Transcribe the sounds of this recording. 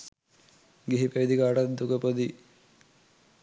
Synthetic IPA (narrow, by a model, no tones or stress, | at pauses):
ɡiɦipeʋid̪ikaːʈat̪d̪ukəpod̪i